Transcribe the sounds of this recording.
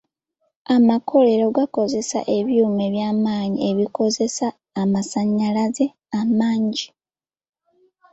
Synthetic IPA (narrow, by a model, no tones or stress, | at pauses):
amakʰo̞le̞ɾoɡako̞ze̞sa̰ʔe̞βjuːme̞βjaːmaːɲie̞βiko̞ze̞saː | masaɲːalaze̞ | amaːɲɟi